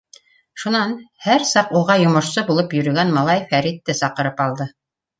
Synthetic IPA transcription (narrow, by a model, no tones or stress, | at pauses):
ʃunɑnhæɾsɑquʁɑjŏmŏʃsɤbulˠɤpjɵ̆ɾɵ̆ɡænmɑlˠɑjfæɾit̪ːɘsɑqɤ̆ɾɤpɑlˠd̪ɤ